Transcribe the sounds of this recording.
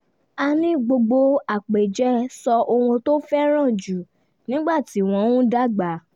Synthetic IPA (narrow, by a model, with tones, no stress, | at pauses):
a˧nĩ˨˦ɡ͡bo˧ɡ͡bo˧a˨k͡pe˨d͡ʒɛ˨˦sɔ˧o˧wũ˧to˦fɛ˦ɾ̃ã˦˨d͡ʒu˨˦ | nĩ˦ɡ͡ba˦˨ti˨˦˨w̃ɔ̃˧˦w̃ũ˦da˦ɡ͡ba˨˦